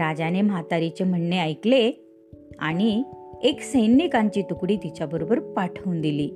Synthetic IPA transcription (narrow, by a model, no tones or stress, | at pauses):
ɾad͡ʑanemat̪aɾit͡ɕem̤əɳːeajkle | a̰ɽ̃ieksəjnikãɲt͡ɕiːt̪ukɽiːt̪it͡ɕjabəɾobəɾpaʈʰəund̪iliː